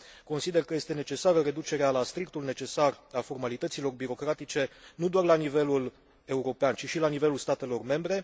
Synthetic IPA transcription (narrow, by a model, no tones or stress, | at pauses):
ko̞nsid̪e̞rkəje̞st̪e̞ne̞t͡ʃe̞saɾəre̞d̪ut͡ʃe̞ɾealast̪ɾik̚t̪ulne̞t͡ʃe̞sarafo̞rmalit̪ət̪silo̞rbiɾo̞kɾat̪it͡ʃe̞nud̪oarlanive̞lul | e̞uɾo̞peant͡ʃiʃilanive̞lulst̪at̪e̞lo̞rme̞mbɾe̞